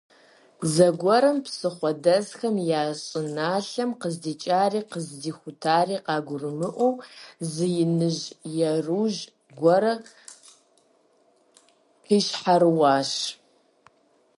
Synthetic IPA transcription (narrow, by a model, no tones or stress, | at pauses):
zɐɡʷɔɾɐmpsɨχʷɔdɐzxɐmjaːɕʼɪnaːɬɐmqəzdiːt͡ʃʼaːɾiːqəzdiːxʷʊtʰaːɾiːqɑːɡʷʊrɨmɨʔʷuwzɨjɪnɨʒjɛruːʒ | ɡʷɔɾɐ | qiːʃħaɾɨwɑːʃ